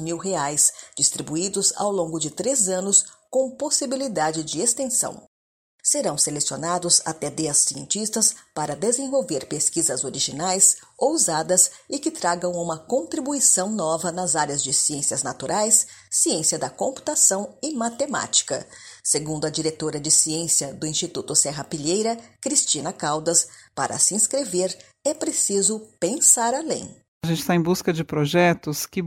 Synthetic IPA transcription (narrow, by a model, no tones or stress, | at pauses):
miwɦeajsd͡ʒist̪ɾibuid̪ʊza̰wlõɡʊd͡ʒɪt̪ɾezɐ̃nʊskõposibilid̪ad͡ʒɪd͡ʒɪest̪ẽsɐ̰̃w̃ | seɾɐ̃w̃selesionad̪ʊza̰t̪ɛd̪ɛɐsːiẽnt͡ʃist̪ɐspaɾɐd̪ezẽvowveɾpeskizɐzoɾiʒinajsouzad̪ɐsɪkɪt̪ɾaɡɐ̃w̃ũmɐkõnt̪ɾibuisɐ̃w̃nɔvɐnɐzaɾjɐzd͡ʒɪsiẽsiɐznat̪uɾʔajsːiẽsiɐd̪ɐkõpu̥t̪asɐ̃w̃ɪmat̪ema̰t͡ʃi̥kɐ̰seɡũnd̪ʊɐd͡ʒiɾet̪oɾɐd͡ʒɪsiẽsijɐd̪ʊĩst͡ʃit̪ut̪ʊsɛɦɐpiʎejɾɐkɾist͡ʃinɐkawd̪ɐspa̰ɾʔɐ̰sɪĩskɾeveɾ | ɛpɾesizʊpẽsaɾalḛ̃j̃ | ʒẽnt͡ʃɪ̥st̪aẽj̃buskɐd͡ʒɪpɾoʒɛt̪ʊskɪ